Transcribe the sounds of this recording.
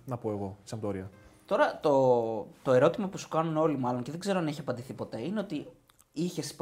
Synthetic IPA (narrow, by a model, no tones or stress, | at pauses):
nɐpo̞e̞ɣo̞sɐmd̪oɾiɐt̪o̞ɾɐt̪o̞t̪o̞e̞ɾo̞t̪imɐpusu̥kɐnuno̞limɐlo̞ŋceðe̞ɡze̞ɾoɐneçiɐpɐnd̪iθipo̞t̪e̞ine̞o̞t̪i | içe̞sp